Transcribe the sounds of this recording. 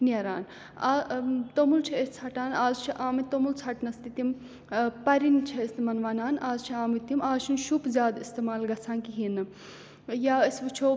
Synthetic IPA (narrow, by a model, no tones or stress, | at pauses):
niɐɾa̰ːn | at̪omult͡ʃʰɐest͡sʰɐʈaːnaːzt͡ʃʰiʔaːmit̪omult͡sʰɐʈnɐst̪it̪im | pɐɾint͡ʃʰɐst̪imɐnʋaːnaːnaːzt͡ʃʰiaːmit̪imaːzt͡ʃʰunʃupzʲjaːd̪ist̪emaːlɡɐt͡sʰaːnkiɦinɨ | jaːɐsʋɨt͡ʃʰoː